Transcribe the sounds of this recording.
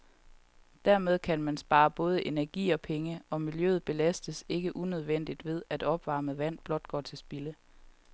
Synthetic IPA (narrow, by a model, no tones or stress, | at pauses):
d̥æɐ̰með̞ˠkʰænmænsb̥ɑ̈ːb̥ɔ̽ːð̞ˠəʔe̝næɐɡ̥ḭːɒ̽pʰeŋəɒ̽miljø̰ːð̞̩ˠb̥e̝læsd̥əse̝ɡ̥əʔunøð̞ˠʋen̰d̥id̥ʋe̝ð̞ˠæd̥ɒ̽b̥ʋɑ̈ːmð̩ˠʋæn̰b̥lɒ̽d̥̚ɡ̥ɒ̰ːt͡sʰe̝lsb̥ilə